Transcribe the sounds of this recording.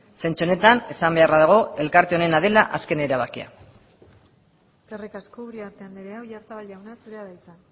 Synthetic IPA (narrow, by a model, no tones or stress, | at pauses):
se̞nt͡ʃuone̞t̪ane̞sambe̞araðaɣ̞o̞e̞lkaɾt̪eo̞ne̞nað̞e̞laʔaske̞ne̞ɾaβ̞akia̰ | skerikaskouɾiaɾt̪eand̪iɾeawjaɾt̪aβalawnasuɾeaðajt̪a